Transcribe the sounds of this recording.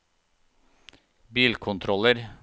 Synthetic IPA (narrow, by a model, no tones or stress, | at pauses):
biːlkʰʊnt̪ʰɾɔləɾ